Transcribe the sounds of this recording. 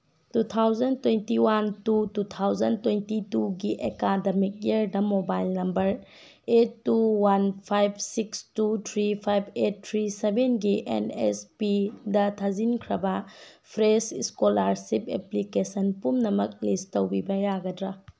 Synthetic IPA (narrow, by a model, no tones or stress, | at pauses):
tutʰawzɐntwentiwantutut̪ʰawzɐntwentituɡiʔekademik̚jɐɾdɐmobajlnɐmbɐɾ | etːuwanpʰajb̚sikstutʰɾipʰajbet̚ʰːɾisebenɡiʔḛnḛspidɐtʰazinkʰɾɐbɐpʰɾesiskolaɾsipḛplikesɐnpumnɐmɐk̚listowbibɐjaɡɐdɾɐ